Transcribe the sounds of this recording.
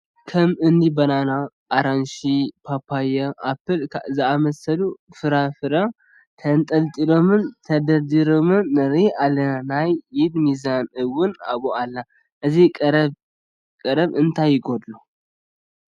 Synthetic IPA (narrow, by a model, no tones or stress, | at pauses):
kʰəmɨnd̪ibɐnana | aɾanʃipʰapʰːajɛʔapːɨlʰzɨaməsəlufɨɾafɨɾa | t̪ʰənt̪ʼɐlt̪ʼilomɨnt̪ʰəd̪əɾd̪iɾomɨnːɐɾiʔalːənanajːɪd̪mizanɨwʊna̰βoalːa | ʔɨzikʼɾ | kʼɨɾəβɨnt̪ʰajɪɡod̪lu